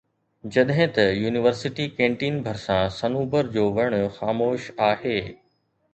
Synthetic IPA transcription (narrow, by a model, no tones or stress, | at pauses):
d͡ʑɐɗɦɪ̃t̪ɐjuːnɪʋəɾsɪʈikẽːɳʈiːnbʱɐɾsãsɐnuːbəɾd͡ʑoːʋɐɽ̃ʊxaːmoːʃaːheː